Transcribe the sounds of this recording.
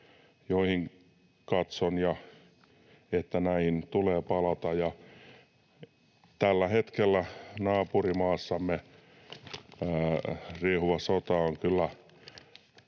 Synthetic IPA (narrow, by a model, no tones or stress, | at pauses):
joihiŋ | kɑt̪sonjɑ | et̪ːænæint̪uleːpɑlɑt̪ɑjɑ | t̪ælːæhet̪kelːænɑːpurimɑːsːɑmːe | rihʋɑsot̪ɑoŋkylːæ